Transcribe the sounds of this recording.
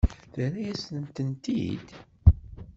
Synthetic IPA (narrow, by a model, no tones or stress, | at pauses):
θæɾæjæsənt̪ənt̪ḭd̪̥